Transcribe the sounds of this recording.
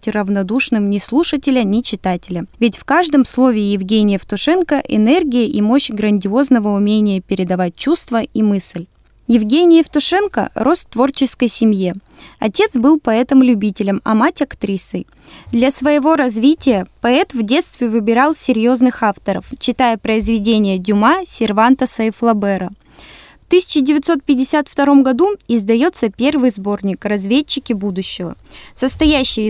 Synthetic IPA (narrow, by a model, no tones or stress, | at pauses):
tʲrəvnɐd̪uʂnɨmnʲɪslˠuʂətʲɪlʲənʲɪt͡ɕɪt̪atʲɪlʲəvʲɪtʲfkaʐd̪əmslˠo̞vʲɪːjɪvɡʲenʲɪjəft̪ʊʂɛnkəʔɪ̰nɛrɡʲɪjəʔimo̞ɕɡɾənʲdʲɪo̞znəvəʊmʲenʲɪjəpʲɪɾʲɪd̪ɐvat̚ʲt͡ɕust̪vəimɨsʲlʲ | jɪvɡʲenʲɪjəft̪ʊʂɛnkə̰rʔo̞st̪ːvo̞rt͡ɕɪskəjsʲɪmje | ɐ̰tʲe̞t̪sbɨlˠpɐɛt̪əmlʲʉbʲitʲɪlʲəmɐ̰matʲɐkt̪ɾʲisɨj | d̪lʲɐsvəjɪvo̞ɾɐzvʲitʲɪjəpɐɛt̪vdʲe̞t̪st̪vʲɪvɨbʲɪɾɑlˠsʲɪɾʲjo̞znɨxaft̪əɾə̰ft͡ɕːɪt̪ajəpɾəɪzvʲɪdʲenʲɪjədʲʊmasʲɪrvant̪əsɐɪflˠɐbɛɾə | ft̪ɨsʲɪ̥t͡ɕɪdʲɪvʲɪt̪so̞t̪̚pʲɪdʲɪsʲat̪ft̪ɐɾo̞mɡɐd̪uɪzd̪ɐjo̞t̪səpʲe̞rvɨjzbo̞rnʲɪkrɐzvʲet͡ɕːɪkʲɪbud̪ʊɕːɪvəsəst̪ɐjæɕːɪ